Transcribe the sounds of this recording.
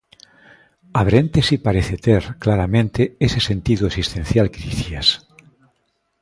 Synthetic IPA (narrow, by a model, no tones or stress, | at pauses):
aβ̞ɾẽnt̪esipaɾeθet̪eɾklaɾamẽnt̪eesese̞nt̪iðuesist̪ẽn̟θjalkeðiθias